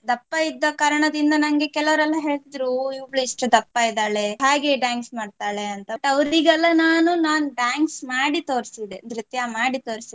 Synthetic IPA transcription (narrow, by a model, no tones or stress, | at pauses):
d̪ɐpːajid̪ːɐkaːɾɐɳɐd̪ind̪ɐnɐŋɡe̞kɛlɐʋɐɾɛlːɐɦe̞ːɭt̪id̪ɾuiɭuiʂʈud̪ɐpːaːjid̪aːɭe̞ɦaːɡeɖaːŋksmaːɖt̪aːɭeɐnt̪ɐʈɐʋɐɾiɡɛlːɐnaːnunaːnuɖaːŋksmaːɽit̪o̞ːɾsid̪enɾit̪jamaːɽit̪o̞ːɾsi